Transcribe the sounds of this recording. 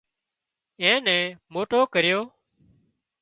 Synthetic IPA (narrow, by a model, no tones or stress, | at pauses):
ẽːnɛ̃ːmoːʈoːkəɾjoː